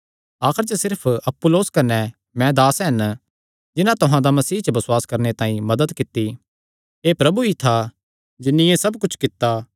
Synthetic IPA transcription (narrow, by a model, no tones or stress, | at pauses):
aːkʰɪɾt͡ʃəsɪɾpʰɐpːʊloːskɐnːɛ | mɛ̃d̪aːsɦɐn | d͡ʒɪnãt̪ʊɦãd̪amɐsiːɦt͡ʃəbɐsʊwaːskɐɾnet̪ãːĩmɐd̪əd̪kɪt̪ːi | eːpɾɐbuit̪ʰa | d͡ʒɪnːɪ̃jẽsɐbkʊt͡ʃʰkɪt̪ːa